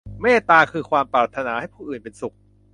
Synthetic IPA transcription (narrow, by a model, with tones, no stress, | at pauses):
meː˥˩t̪aː˧kʰɯː˧kʰwaː˧mpɾaː˨˩t̪ʰːa˧naː˩˦ha˥˩jpʰuː˥˩ʔɯː˨˩npe˧nsu˨˩k̚